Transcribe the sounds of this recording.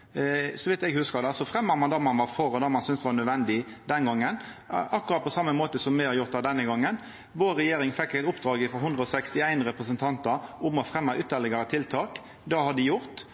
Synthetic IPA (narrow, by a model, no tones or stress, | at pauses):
sɔʋɪt̪ɛɡhʉskəɾd̪ɛsɔfʁɛmːəɾmɑnd̪ɑmɑnʋɑɾfɔɾɔd̪ɑmɑnsʏnsʋɑnœd̪ʋɛnd̪ɪd̪ɛnɡɔŋːən | ɑkːʊɾɑt̪̚pʰɔsɑmːəmoːt̪əsɔmːɛhɑɾjʊɾt̪̚d̪ɑd̪ɛnːəɡɔŋːən | ʋoːɾɾɛjeːɾɪŋfɛkːæɪt̪ʊpd̪ɾɑːɡɪfɔɦʉnd̪ɾəɔsɛkst̪ɪæɪnɾɛpɾəsənt̪ʰɑnt̪ɑɾʊmɔfɾɛmːɑʔʉt̪əlɪɡɑɾət̪ʰɪlt̪ʰɑːk | d̪ɑhɑd̪ɪjʊɾt̪